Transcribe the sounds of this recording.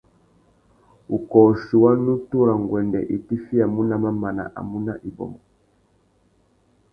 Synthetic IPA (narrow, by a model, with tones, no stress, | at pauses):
u˨kɔː˨ʃu˨wa˦nu˦tu˦ɾa˨ŋ˨ɡwɛ˨ndɛ̰˨ʔi˨ti˦fi˦a˨mu˦na˦ma˦ma˨na̰˨ʔa̰˨mu˦na̰˦ʔi˨bɔ̰˨mɔ˨